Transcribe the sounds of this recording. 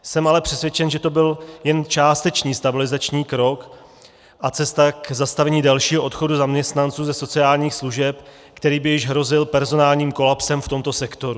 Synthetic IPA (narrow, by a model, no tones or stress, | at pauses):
sɛmalɛpr̝̥ɛsvjɛt͡ʃɛnʒɛt̪o̞bɪljɛnt͡ʃaːst̪ɛt͡ʃɲiːst̪abɪlɪzat͡ʃɲiːkɾo̞k | ʔat͡sɛst̪akzast̪avɛɲiːdalʃiːɦoʔo̞t̪xo̞duzamɲɛst̪nant͡suːzɛso̞t͡sɪaːlɲiːxsluʒɛp̚ | kt̪ɛɾiːbɪjɪʒɦɾo̞zɪlpɛɾzo̞naːlɲiːmko̞lapsɛmft̪o̞mt̪o̞sɛkt̪o̞ɾu